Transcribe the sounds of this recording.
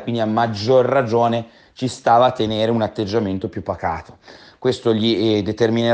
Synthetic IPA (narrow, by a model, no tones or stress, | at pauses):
kwind̪iamːad͡ʒːorːad͡ʒoːne | t͡ʃist̪aːvaːt̪ːeneːɾeunat̪ːed͡ʒːament̪opjupːaka̰ːt̪o̥ | kwest̪oʎid̪et̪ermine